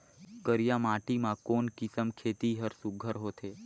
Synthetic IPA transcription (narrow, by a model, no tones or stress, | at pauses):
kəɾjamãʈimãkonkisəmkʰet̪iɦəɾsuɡʱəɾɦot̪ʰe